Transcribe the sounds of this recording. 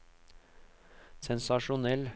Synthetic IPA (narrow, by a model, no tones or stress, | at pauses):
sɛnsɑʃʊnɛl